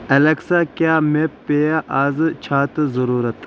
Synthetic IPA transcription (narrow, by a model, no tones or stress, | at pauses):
ɐlɐksaːkjaːmepːejaʔaːzt͡ʃʰaːt̪zɐɾuːɾɐt̪